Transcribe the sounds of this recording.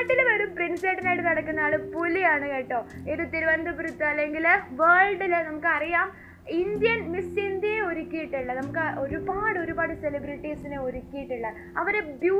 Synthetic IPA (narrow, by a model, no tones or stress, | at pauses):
ʈːilumɐɾumprinseːʈːinajiʈɨnɐɽɐkːunːaːɭɨpulijaːɳɨkeːʈːoːeɾut̪iɾuʋɐnd̪ɐpɾut̪ːɐɐlːeŋɡilʋeːɭɖilnɐmukːɨɐrijaːm | ind̪ijɐnmisind̪jɐjeo̞ɾikʲːijiʈːuɭːɐnɐmukːɨʔo̞ɾubaːɽɨoɾubaːɽɨselibɾiʈːisineoɾikʲːijiʈːuɭːɐ | ɐʋɐɾebjuː